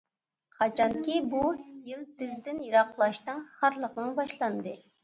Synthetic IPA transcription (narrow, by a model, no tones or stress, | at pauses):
χɑt͡ʃʰɑnkʲibujilˠt̪ʰɪzd̪ɪnjiɾɑqlˠɑʃt̪ɨŋχɑɾlˠəqnɨŋbɑʃlˠɑnd̪ɨ